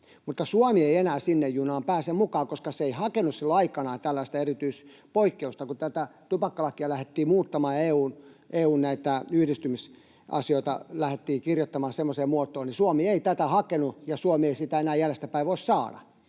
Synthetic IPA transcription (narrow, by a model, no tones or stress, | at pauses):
mut̪ːɑsuomieienæːsinːejjunɑːmpæːsemukɑːkoskɑseeihɑkenussilːoɑikɑnɑːt̪ælːæist̪ɑerit̪yis | poikːeust̪ɑkut̪æt̪æt̪upɑkːɑlɑkːiɑlæhet̪ːiːmuːt̪ːɑmɑːeːuːnʔeːuːnnæit̪æyhdist̪ymis | ʔɑ̰sioit̪ɑ̰læhet̪ːiːkirjot̪ːɑmɑːsemːoseːmmuot̪ˑoːnnisuɑmieit̪æt̪æhɑkenujɑsuomieisit̪æenæːjælest̪æpæiʋʋoˑissɑːdɑ̰